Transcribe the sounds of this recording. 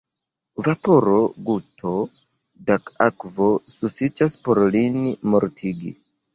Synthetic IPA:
vapo̞ɾo̞ɡutʰo̞ | daka̰kvo̞sufit͡ʃaspo̞ɾlinmo̞ɾtʰiɡḭ

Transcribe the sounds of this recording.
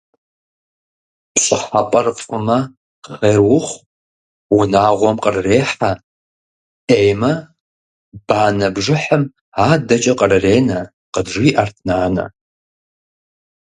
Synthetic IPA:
pɕʼɪħapʼɐrfʼʊmɐ | χeːrwʊχʷ | wʊnaːʁʷɔmqʼərɨreːħa | ʔejmɐ | b̥aːnɐbʐɪħɐm | aːdɐt͡ʃʼɐqʼərɨreːnɐ | qədʐiʔɐrtʰnaːnɐ̰

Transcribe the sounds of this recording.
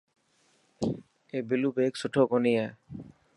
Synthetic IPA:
ebilubeksuʈʰokonije

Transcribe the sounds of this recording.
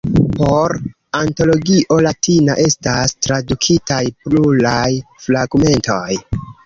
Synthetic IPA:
po̞ɾ | anto̞lo̞ɡiʔo̞latinaʔe̞stastɾadukʰitajplulajflaɡme̞ntʰo̞j

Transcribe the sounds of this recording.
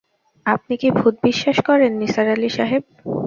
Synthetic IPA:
ap̚nikibʱut̪̚biʃːaʃkɔɾenːisaɾaliʃaɦeb̚

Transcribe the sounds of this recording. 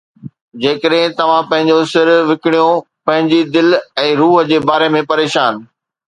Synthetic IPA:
d͡ʑeːkəɗɦɪ̃t̪ɐʋ̤ãpɐ̃ɦɪ̃ɲd͡ʑosɪɾʋɪkɪɽ̃ijõ | pɐ̃ɦɪ̃ɲd͡ʑid̪ɪlɛ̃ːɾuːɦə̆d͡ʑeːbaːɾemẽpɐɾeːʃaːn

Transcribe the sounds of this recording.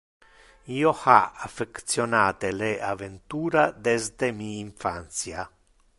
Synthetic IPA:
iːohaafekt̪sjonaːt̪eleavent̪uːɾad̪ɛzd̪emiːɱfa̰nt̪sja

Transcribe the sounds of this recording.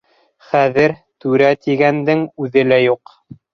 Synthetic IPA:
χæðɘɾt̪ʉɾæt̪iɡænd̪ɘŋʉðɘlæjuq

